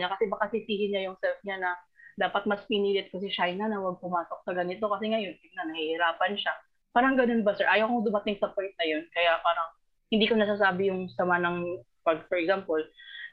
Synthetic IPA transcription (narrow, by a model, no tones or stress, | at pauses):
akɐsɛbɐkasɪsiːhɪnɲajʊŋsɛlfɲanɐ | d̪aːpɐt̪̚mɐspɪniːlɪt̪̚kɐsɛʃajnanɐwɐɡ̚pʊmaːsok̚sɐɡɐnɪt̪o̞kɐsɛŋɐjo̞npɪɡ̚nɐnɐhihɪɾaːpɐnʃa | paːɾɐŋɡɐno̞nbɐsɛɹʔaːjɐwkoŋd̪ʊmɐt̪ɪŋsɐpojnt̪̚nɐjo̞nkɐjapaːɾɐŋ | hɪnd̪iːkonɐs̬aːs̬aːbɪjʊŋsɐmanɐŋ | pɐɡfɔɹɛkzampol